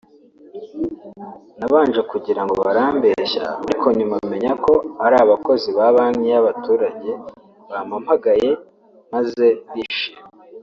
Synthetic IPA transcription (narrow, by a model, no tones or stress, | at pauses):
naβaːnʒekuɟiɾaŋɡoβaɾaːmbe̞ʃa̰aɾikʰo̞ɲumaβime̞ɲako̞aɾaːβako̞ziβaβanɲijaβatuːɾaɟe̞ | βamam̥haɡaje̞ | maze̞βiʃie